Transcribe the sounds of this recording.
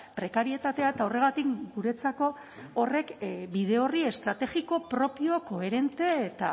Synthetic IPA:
pɾe̞kaɾie̞t̪at̪e̞aet̪ao̞re̞ɣ̞at̪ikɡuɾe̞t͡sako̞ː | re̞kbiðe̞o̞rie̞st̪ɾat̪e̞ɣiko̞pɾo̞pio̞ko̞e̞ɾe̞nt̪e̞ːt̪a̰

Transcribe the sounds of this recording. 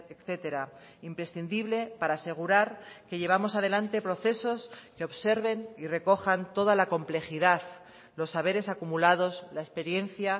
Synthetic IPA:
ekθe̞t̪e̞ɾa | impɾe̞sθind̪iβle̞paɾaːse̞ɣ̞uɾaɾke̞ʝe̞β̞amo̞sað̞e̞lant̪e̞pɾo̞θe̞so̞skeo̞βse̞ɾβe̞nire̞ko̞xant̪o̞ðalako̞mple̞xiðað | lo̞sːaβ̞e̞ɾe̞sakumulað̞o̞zlaespe̞ɾje̞n̟θja

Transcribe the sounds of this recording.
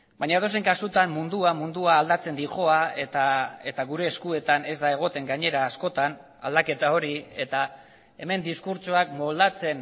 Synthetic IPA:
bajɲat̪ose̞ŋkasut̪ammund̪uamund̪uaːld̪at͡se̞nd̪iʝo̞aet̪ae̞t̪aɣuɾe̞ːskue̞t̪ane̞zd̪ae̞ɣ̞o̞t̪e̞ŋɡaɲe̞ɾaːsko̞t̪an | a̰ld̪ake̞t̪ao̞ɾie̞̰t̪a | e̞me̞nd̪iskuɾt͡soakmo̞ld̪at͡se̞n

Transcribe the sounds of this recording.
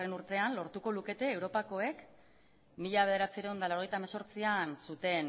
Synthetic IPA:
renuɾt̪e̞anlo̞ɾt̪ukoluke̞t̪e̞ːwɾo̞pako̞e̞k | miʎaβe̞ðe̞ɾat͡siɾeond̪alaɾojt̪amaso̞ɾt͡siansut̪e̞n

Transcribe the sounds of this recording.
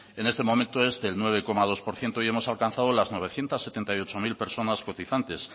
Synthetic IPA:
e̞ne̞st̪emo̞mẽnt̪oe̞zðe̞lnweβ̞e̞ko̞maðo̞spo̞ɾθje̞nt̪oiemo̞salkan̟θaðolazno̞β̞e̞θje̞nt̪asːet̪e̞nt̪ajo̞t͡ʃo̞milpe̞ɾso̞nasko̞t̪iθant̪e̞s

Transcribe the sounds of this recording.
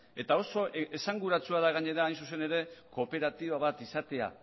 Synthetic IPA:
e̞t̪ao̞so̞ʔe̞saŋɡuɾat͡suaðaɣ̞aɲe̞ɾaːjns̬us̬e̞ne̞ɾe̞ko̞pe̞ɾat̪iβaβat̪isat̪e̞a̰

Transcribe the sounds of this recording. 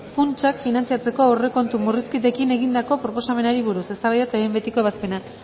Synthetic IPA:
funt͡ʃakfinant͡siat͡se̞ko̞ore̞ko̞nt̪umuriskit̪e̞kine̞ɣind̪ako̞pɾo̞po̞same̞naɾiβ̞uɾusest̪aβajðat̪aβejmbe̞t̪iko̞eβaspe̞na

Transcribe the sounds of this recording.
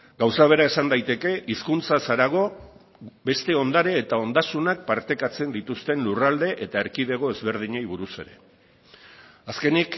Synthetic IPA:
ɡawsaβ̞e̞ɾae̞sand̪ajt̪e̞ke̞ʔiskunt͡sasaɾaɣ̞o̞ | be̞st̪e̞o̞nd̪aɾeːt̪ao̞nd̪asunak̚paɾt̪e̞kat͡se̞nd̪it̪ust̪e̞nlurald̪e̞ʔet̪aeɾkiðe̞ɣ̞o̞e̞zβe̞ɾð̞iɲejβuɾuse̞̰ɾe̞̰ | aske̞nik

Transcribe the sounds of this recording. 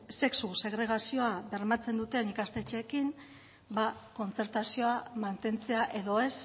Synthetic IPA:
se̞ksuse̞ɣɾe̞ɣ̞asio̞aβe̞ɾmat͡se̞nd̪ut̪e̞nikast̪e̞t͡ʃe̞kim | bako̞nt͡se̞ɾt̪asio̞amant̪e̞nt͡se̞aʔe̞ðo̞e̞s

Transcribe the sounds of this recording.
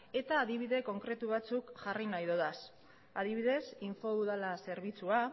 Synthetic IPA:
e̞t̪aːðiβ̞iðe̞ko̞ŋkɾe̞t̪uβ̞at͡sukʝarinajðoðas | að̞iβ̞iðe̞siɱfo̞uðalase̞ɾβit͡sua

